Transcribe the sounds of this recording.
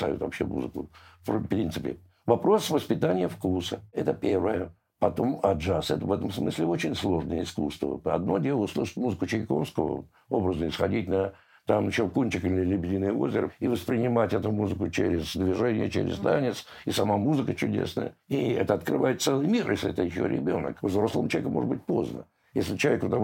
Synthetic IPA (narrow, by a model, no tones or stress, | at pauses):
sa̰jʊ̰t̪vɐ̰pɕːemṵzɨkʊ̰fpɾʲint̪sɨpʲɪ̰ | vɐpɾo̞svəspʲɪt̪anʲɪjəfkusəɛt̪əpʲervəjə | pɐt̪o̞mɐʐasɛt̪əvɛt̪əmsmɨsʲlʲɪo̞t͡ɕɪnʲslˠo̞ʐnəjəɪskust̪və̰ɐ̰d̪no̞dʲelˠəʊslˠɨʂə̥tʲmuzɨkʊt͡ɕɪɪko̞̰fskəvə̰ | obɾəznəɪsxɐdʲit̚ʲnə | t̪amɕɪlkunʲt͡ɕɪkilʲɪlʲɪbʲɪdʲinɨjəo̞zʲɪɾɨ̰ivəspɾʲɪnʲɪmatʲɛt̪ʊmuzɨkʊt͡ɕeɾʲɪzd̪vʲɪʐɛnʲɪ̰jət͡ɕḛɾʲɪ̰zt̪anʲɪt̪s | ɪsɐmamuzɨkət͡ɕʊdʲe̞̰snə̰jə̰iɛt̪əɐt̪krɨvajɪt̪t̪sɛlˠɨjmʲirjesʲlʲɪɛ̰t̪əjɪɕːo̰ɾʲɪ̰bʲo̞̰nə̰kvzɾo̞slˠəmt͡ɕlˠvʲekəmo̞ʐəd̪bɨt̚ʲpo̞̰znə | jesʲlʲɪt͡ɕɪlˠɐvʲekvət̪a